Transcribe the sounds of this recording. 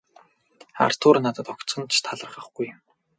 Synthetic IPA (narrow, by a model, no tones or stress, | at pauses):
a̰rt̪ʰʊːrnat̪ə̆t̪ɔkt̪t͡sɞ̆nt͡ɕʰt̪ʰaɮə̆rχə̆χɡ̥uj